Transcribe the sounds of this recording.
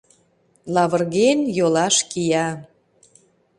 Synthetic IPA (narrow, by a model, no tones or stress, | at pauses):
lɑβərɣenjolɑʃkijɑ